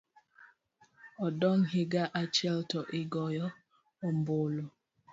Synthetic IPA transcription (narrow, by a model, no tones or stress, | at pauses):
ɔdɔŋhiɡaʔat͡ʃɛltɔʔiɡɔjɔ | ɔmbolɔ